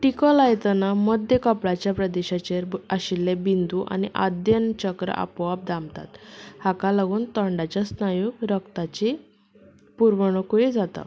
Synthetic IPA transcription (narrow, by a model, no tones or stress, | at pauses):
ʈikɔlajt̪ənamɔd̪ʱjəkəpɭat͡ɕjapɾəd̪eɕat͡ɕeɾaɕilːebind̪uʔa̰niʔa̰d̪jənt͡ɕəkɾə̰ʔa̰pʋab̚d̪amt̪a̰t̪hakalaɡuːnt̪əɳɖat͡ɕasnajuɡɾəkt̪at͡ɕi | puɾʋəɳ̃okuid͡zat̪a̰